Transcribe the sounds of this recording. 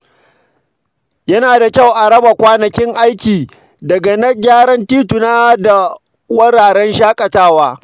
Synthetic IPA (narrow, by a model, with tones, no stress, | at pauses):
jɐ˦naː˨da˨kʲa˦˨wʔa˨ɽɐ˦ba˨kʷaː˦nɐ˨kʲɪ˦ŋʔa˦jkʲiː˨ | dɐ˨ɡa˨nɐ˦ɡʲaː˦ɾɐ˦ntiː˦tʊ˨naː˦da˨ | wɐ˦ɽaː˨ɽɛ˦nʃaː˦kʼɐ˨taː˦waː˦